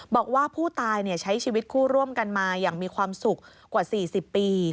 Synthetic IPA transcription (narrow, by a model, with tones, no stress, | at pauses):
bɔː˨˩k̚waː˥˩pʰuː˥˩t̪aː˧jni˥˩ət͡ɕʰa˦˥jt͡ɕʰiː˧wi˦˥t̪̚kʰuː˥˩ɾu˥˩əmka˧nmaː˧jaː˨˩ŋmiː˧kʰwaː˧msu˨˩k̚ːwaː˨˩siː˨˩si˨˩pːiː˧